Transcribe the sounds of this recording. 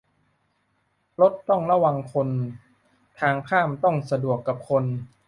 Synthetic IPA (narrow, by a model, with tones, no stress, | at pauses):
lo˦˥t̪ːɔ˥˩ŋɾa˧wa˧ŋkʰo˧n | t̪ʰaː˧ŋkʰaː˥˩mt̪ɔ˥˩ŋsa˧du˨˩əkːa˨˩p̚kʰo˧n